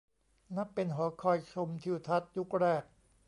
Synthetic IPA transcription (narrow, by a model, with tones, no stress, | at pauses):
na˦˥pːe˧nɦɔː˩˦kʰɔː˧˩jt͡ɕʰo˧mt̪ʰi˧wt̪ʰa˦˥t̪̚ju˦˥k̚ɾɛː˥˩k̚